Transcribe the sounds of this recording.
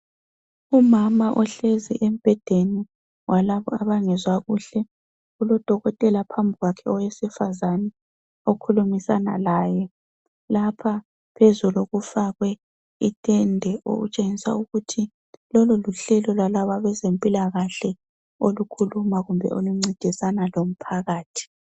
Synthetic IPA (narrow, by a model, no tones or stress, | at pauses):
umamaʔɔɬezḭʔem̩b̥ʱɛd̥ʱeni | wʔalaβɔ̰aβaŋɛzwaɣuɬɛ | ulɔd̥ʱɔɣɔtʼɛlapʰambʱiɣwakʰɛɔwesifazanɛ | okʰulumisana̰laːjɛ | lapʰa | pʰezuloɣufaɣwɛ | itʼɛndʱɛʔo̰ɣṵt͡ʃʼeŋisa̰uɣutʰi | lɔlɔluɬɛlɔlwalaβaβɛzempʼilaɣaɬɛ | olukʰulumaɣumbʱɛ̰ʔoluŋ͡ǀid̥ʱisanalom̩pʰaɣaːtʰi̥